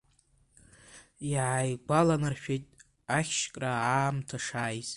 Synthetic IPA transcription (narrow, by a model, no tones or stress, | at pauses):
iʕajɡʷalanarʃᶣetʼ | aχʲʃkʼraaːmtʰaʂaːjzʼ